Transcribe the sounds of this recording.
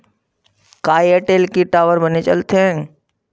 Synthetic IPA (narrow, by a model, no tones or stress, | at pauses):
kaːjəʈeːlkiʈaːʋəɾbənet͡ʃə̰lt̪ʰẽ